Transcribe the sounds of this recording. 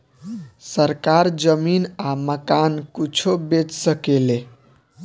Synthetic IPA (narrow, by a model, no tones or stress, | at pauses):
səɾkaɾd͡ʒəminaməkankut͡ʃʰobed͡ʒsəkele